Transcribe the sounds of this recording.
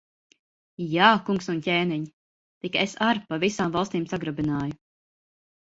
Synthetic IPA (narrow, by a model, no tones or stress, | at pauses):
jaːkuŋksuncʲeːniɲi | t̪ikesaɾpavisaːmvɑlˠst̪iːmsaɡɾabinaːju